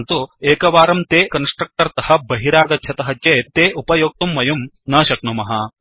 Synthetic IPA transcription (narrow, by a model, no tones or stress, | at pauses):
nt̪ueːkɐʋaːɾɐmt̪eːkɐnsʈɾɐk̚ʈɐɾt̪ɐɦɐ̆bɐɦiɾaːɡɐtːʃʰɐt̪ɐɦɐt͡ʃeːt̪eːʔupɐjoːk̚t̪umːɐjum | nɐːʃɐknumɐɦɐ